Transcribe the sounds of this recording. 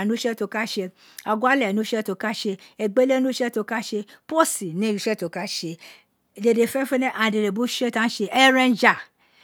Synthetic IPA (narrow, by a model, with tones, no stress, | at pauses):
nũ˦ʃɛ˦to˧ka˦ʃe˧ | a˨ɡʷa˦lɛ˨nũ˨˦ʃɛ˦to˧ka˦ʃe˧e˨ɡ͡be˦le˦nũ˦ʃɛ˦to˧ka˦ʃe˧po˦si˨nĩ˨˦u˧˦ʃɛ˦˨to˨ka˦ʃe˧ | de˨de˨fɛ˦fe˦nɛ˦ʔa˨de˨ɾe˨bu˦ʃe˦tã˦ʃe˧ʔɛ˦ɾɛ̃˧nd͡ʒa˨